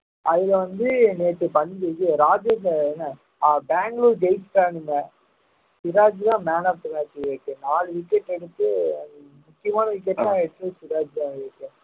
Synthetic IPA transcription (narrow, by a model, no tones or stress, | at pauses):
ɐðɪlɐʋɐnd̪ɯneːʈːɯpɐnːɪkekːɯɾaːd͡ʒeːs̬enːɐ | aːbaːŋɡluːɾd͡ʒɐɪsʈaːnɪmːɐ | sɪɾaːd͡ʒlãːmaːnɐbt̪ɯmaːt͡ʃːʋeːkːɯ̃naːlʋɪkːɛʈːɛɽɯt̪ːɯ | mʊkːɪjɐmaːnɐʋɪk̬ːɛʈːlãːɛɽɯt̪ːɯsɪɾaːd͡ʒlãːʋeːkːɯ̃